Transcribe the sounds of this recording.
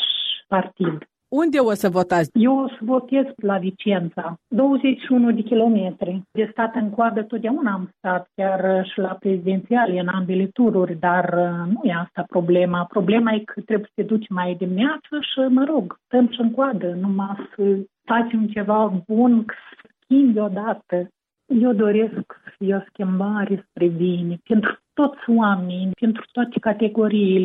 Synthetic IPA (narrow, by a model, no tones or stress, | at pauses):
ʃpart̪id̪ | und̪ʲeosəvot̪asjewosəvo̞t̪e̞zklavit͡ʃe̞nt̪sad̪o̞wəze̞t͡ʃʲʃiunud̪ekʲilo̞met̪ɾid̪est̪at̪ɨŋkoad̪ət̪ot̪d̪eaunaːmst̪at̪kʲarʃilapɾe̞zid̪e̞nt̪sialʲɨnambelet̪uɾurʲd̪arnujeast̪apɾo̞ble̞mapɾo̞ble̞majkʰət̪ɾebujsə̥t̪ed̪ut͡ʃʲmajd̪imineat̪səʃiməɾo̞ɡst̪əmʃɨŋkoad̪ənumasə | fat͡ʃemt͡ʃe̞vabunkə̥sə̥ə̥skʲimbʲo̞d̪at̪ə | je̞wd̪o̞ɾe̞sksə̥fijeoskʲimbaɾe̞spɾebinepent̪ɾu̥t̪o̞t̪sʲowamenʲpent̪ɾu̥t̪oat̪e̥kat̪e̞ɡo̞ɾijːle